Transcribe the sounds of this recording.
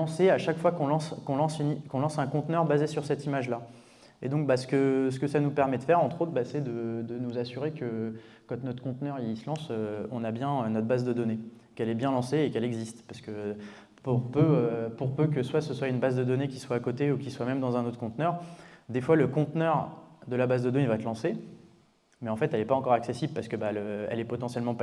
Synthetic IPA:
ɑ̃seaʃakfwakɔ̃lɑ̃skɔ̃lɑ̃synikɔ̃lɑ̃sɛ̃kɔ̃t̪nœʁbazesyʁsɛt̪imaʒla | ed̪ɔ̃k̚basə̥kəs̬ə̥kəsanupɛʁmɛd̪əfɛʁɑ̃t̪χot̪χbasɛd̪əd̪ənuzasyʁekə | kɑ̃t̪nɔt̪χkɔ̃t̪nœʁisəlɑ̃søɔ̃nabjɛ̃ønɔt̪χbazd̪əd̪ɔne | kɛlɛbjɛ̃lɑ̃seːkɛlɛɡzist̪paʁsə̥kə | puʁpøøpuʁpøk̬əswasəswaynbazd̪əd̪ɔnekʲiswaːkot̪eukʲiswamɛmd̪ɑ̃zɛ̃not̪χəkɔ̃t̪nœʁd̪efwaləkɔ̃t̪nœʁd̪əlabazd̪əd̪ɔneivaɛt̪lɑ̃se | mɛɑ̃fɛt̪ɛlɛpaɑ̃kɔʁaksesiblpaʁsə̥kəbaløɛ̰lɛpɔt̪ɑ̃sjɛlmɑ̃p

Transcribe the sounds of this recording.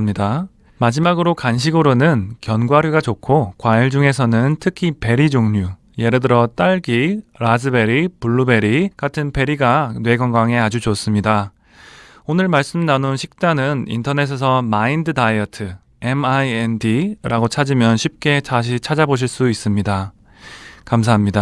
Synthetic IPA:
mɲida | mad͡ʑimaɡɯɾokanɕ̬ʰiɡɯɾonɯnkjʌnɡwaɾjuɡat͡ɕokʰokwaiɭd͡ʑuŋe̞s̬ʰʌnɯntʰɯkʰipe̞ɾid͡ʑoŋɲu | je̞ɾɯdɯɾʌt͈aɭɡiɾasɯbe̞ɾipuɭːube̞ɾikatʰɯnpe̞ɾiɡanwe̞ɡwʌŋɡaŋe̞ad͡ʑud͡ʑos͈ɯmɲida | onɯɭmaɭs͈ɯmnanonɕʰik̚t͡ɕ͈anɯnḭntʰʌne̞s̬ʰes̬ʰʌmaindɯdaiʌtʰɯ | e̞maiendiɾʔaɡot͡ɕʰad͡ʑimjʌnɕʰip̚k͈e̞t͡ɕʰaɕ̬ʰit͡ɕʰad͡ʑaboɕ̬ʰiɭs͈uis͈ɯmɲida | kams̬ʰaɦamɲida

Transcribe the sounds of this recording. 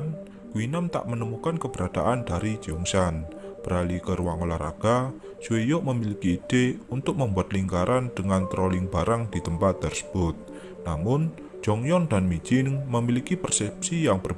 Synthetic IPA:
n | kuwinamt̪a̰ʔmənəmukankəb̥əɾad̪̥a̰ʔandaɾi̥d͡ʒ̥uŋsanb̥əɾalikərwaŋolaɾa̰ɡ̥a | suwejoməmilikiːd̪̥eunt̪ʊk̚məmbuat̪liŋkaɾʔand̪̥əŋant̪ɾɔlɪŋbaɾaŋd̪̥i̤t̪əmpat̪̚d̪ərsə̥b̥ʊt̪̚ | namʊn̥ | d͡ʒ̥ɔŋjɔnd̪anmi̥d͡ʒ̥ɪŋməmilikipərsɛp̚sijaŋbər

